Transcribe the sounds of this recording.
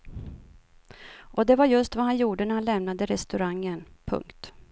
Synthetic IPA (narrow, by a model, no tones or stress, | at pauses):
ʔɔd̪ɛvaɾjɵst̪vahanjuːɖənæɾhanlɛmnad̪əɾɛst̪ɵɾaŋːənpʰɵ̰ŋkt̪